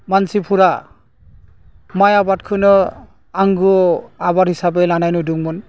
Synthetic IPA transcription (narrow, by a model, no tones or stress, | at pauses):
mansipʰuɾa | majabat̚kʰɯnɯ | aŋɡɯabaɾhisabelanajnuduŋmɯn